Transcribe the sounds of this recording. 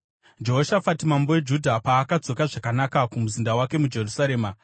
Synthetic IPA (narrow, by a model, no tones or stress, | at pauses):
d͡ʒo̞ɦoʃafatimambo̞we̞d͡ʒudʱapaːkad͡zo̞kaʐakanakakumuzindawake̞mud͡ʒe̞rusaɾe̞ːma